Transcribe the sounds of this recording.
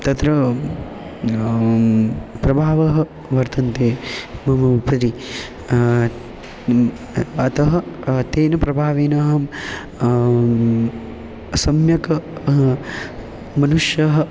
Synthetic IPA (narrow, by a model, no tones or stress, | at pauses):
t̪ɐt̪ɾɐ | pɾɐbʱaːʋɐɦɐ̆ | ʋɐɾt̪ɐnt̪eːmɐmɐpɐɾi | ɐt̪ɐɦɐt̪eːnɐpɾɐbʱaːʋeːnɐːɦɐm | sɐmjɐkɐ | mɐnuʂjɐɦɐ̆